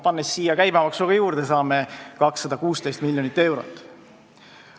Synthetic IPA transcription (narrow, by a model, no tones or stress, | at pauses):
pɑnːesːiːjɑkæjbɑmɑksuɡ̥ɑjuːɾd̪̥esɑːmekɑksːɑd̪̥ɑkuːst̪e̞jst̪milʲjo̞nit̪ːe̞wɾo̰t̪ːˑ